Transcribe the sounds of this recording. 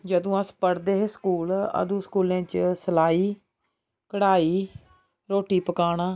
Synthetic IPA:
d͡ʒəd̪õːãːspəɽd̪eːɦeːskuːlə̰d̪ũːskuːlẽːt͡ʃsəlaːiː | kəɽaːiː | ɾoːʈiːpəkaːɽaː

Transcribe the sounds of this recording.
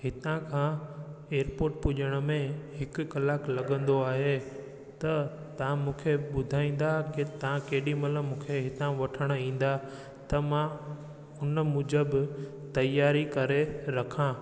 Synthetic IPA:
hɪt̪ãkʰãːeːəɾpoːɾʈpʊʄəɽ̃ə̆mẽɦɪkʊkɐlaːklɐɠə̃n̆d̪oaːɦe | t̪ɐ | t̪ɐʋ̤ãmũːkʰeɓʊd̪ʱaːĩːn̆d̪akɪt̪ɐãkeɦɗimɐləmũːkʰeɦɪt̪ãʋɐʈʰəɽ̃ĩːn̆d̪a | t̪ɐmã | ʊnmʊ̃d͡ʑəbɪ | t̪ɐjaːɾikɐɾeɾɐkʰãː

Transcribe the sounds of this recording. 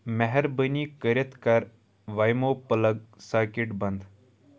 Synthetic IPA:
mɛɦɛɾbənikəɾɐt̪ʰkaɾ | ʋajmopələɡ̚saːkiʈbɐnd̪ʱ

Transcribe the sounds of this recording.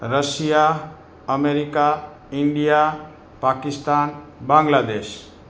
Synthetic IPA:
ɾəsija | əmeɾika | iɳɖija | pakist̪anbãŋɡlad̪es

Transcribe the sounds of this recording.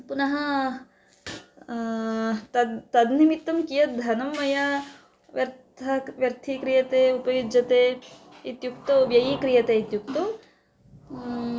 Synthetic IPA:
punɐɦɐ | t̪ɐt̪ɐd̪nimit̪ːɐmkijɐt̪̚d̪ʱɐnɐmːɐjɐ | ʋjɐɾt̪ʰɐʋjɐɾt̪ʰikɾijɐt̪eːupɐjud͡ʒɐt̪eː | it̪juk̚t̪uʋjɐjikɾijɐt̪eːit̪juk̚t̪u

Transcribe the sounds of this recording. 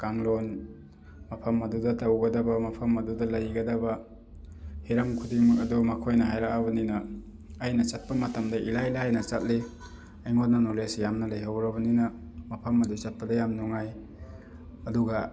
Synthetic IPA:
kaŋlon | mɐpʰɐmːɐdudɐtɐwɡɐdɐbɐmɐpʰɐmːɐdudɐlɐjɡɐdɐbɐ | hiɾɐmkʰudiŋmɐkɐdɔmɐkʰojnɐɦajɾakabɐninɐː | jnɐt͡ʃat̚pɐmɐtɐmdɐʔilajlajnɐt͡ʃat̚li | ɐjŋot̚nɐnolesjamnɐlɐjɦawɾɐbɐninɐ | mɐpʰɐmːɐdut͡ʃat̚pɐdɐjamnuŋaj | ɐduɡɐ

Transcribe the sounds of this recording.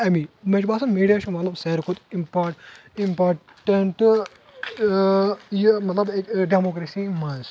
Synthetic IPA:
ɐmĩmet͡ʃbaːsɐmiːɖijaʃumɐt̪lɐbseɾkut̪impaʈimpaːɾ | ʈɐɳʈ | jimɐt̪lɐbeɖemoːkɾesimɐns

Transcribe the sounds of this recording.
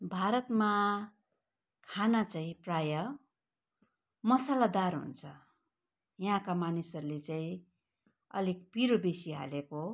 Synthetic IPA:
bʱaɾʌt̪ma | kʰanat͡saĩprajʌ | mʌsalad̪aɾɦṵnt͡sʰʌ | jɦãkamanisʌɾulet͡saĩ | ʌ̰likpiɾobesiɦa̰leko

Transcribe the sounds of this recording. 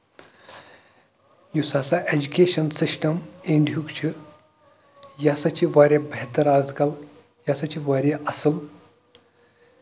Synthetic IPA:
jusaːsaʔed͡ʒukʲeːʃɐnsisʈɐmeɳɖjukt͡ʃʰiɾ | jaːsɐt͡ʃʰiʋaːɾʲabɐɦt̪ɐɾaːzkɐl | jaːsɐt͡ʃʰiʋaːɾʲaʔɐsɨl

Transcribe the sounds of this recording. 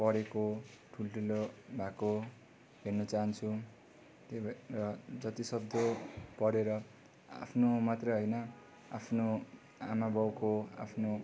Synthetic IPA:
pʌɾekoʈʰulʈʰulobʱako | ɦernʌt͡saɦʌnt͡sʰu | t̪erʌd͡zʌt̪isʌb̚d̪ʱjopʌɾeɾʌ | a̰pʰnomat̪rʌjɦʌjnʌ | a̰pʰno | a̰mabʌwkoa̰pʰno

